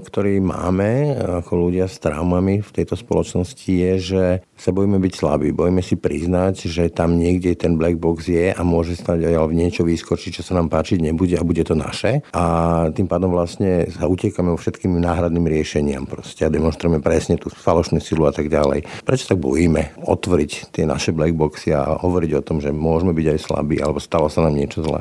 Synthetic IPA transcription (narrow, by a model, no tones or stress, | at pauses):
kt̪ɔɾiːma̰ːmɛakʰɔluɟɪast̪ɾa̰ʊmamift̪ɛjt̪ɔspɔlɔt͡ʃnɔscijɛʒɛ | sabɔjimɛbicsla̰bḭːbɔjimɛsipɾiznaɟʒɛt̪amɲɪɛɡɟɛt̪ɛnblɛɡ̚bɔɡzjɛʔamʊɔʒɛst̪aɟajalɲɪɛt͡ʃɔʋiːskɔɾt͡ʃit͡ʃɔsanaːmpaːt͡ʃiɟɲɛbuɟɛabuɟɛt̪ɔna̰ʃɛʔat̪impaːd̪ɔmvlastɲɛsaucɛkamɛɔfʃɛt̪kiːmnaːɦɾad̪niːmɾɪɛʃɛɲɪa̰mpɾɔscɛad̪ɛmɔnʃt̪ɾujɛmɛpɾɛsɲɛt̪uːfalɔʃnuːsiluat̪aɡɟalɛ̰jpɾɛt͡ʃɔ̥t̪aɡ̚bɔ̰jimɛʔɔ̰t̪ʋɔɾict̪ɪɛna̰ʃɛblɛɡ̚bɔksia̰ɦɔʋɔɾiɟɔt̪ɔmʒɛmʊɔʒmɛbiɟajsla̰bḭːa̰lɛbɔst̪alɔsanaːmɲɪɛt͡ʃɔzlɛ̰